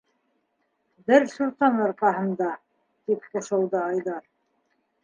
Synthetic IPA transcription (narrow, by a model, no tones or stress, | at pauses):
bɘɾsuɾt̪ɑnɑɾqɑɦɤ̆nd̪ɑ | t̪ip̚qŏʃɤ̆wðɤɑjðɑɾ